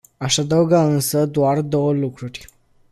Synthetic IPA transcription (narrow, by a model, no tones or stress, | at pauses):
aʃad̪auɡaɨnsəd̪oard̪o̞wəlukɾurʲ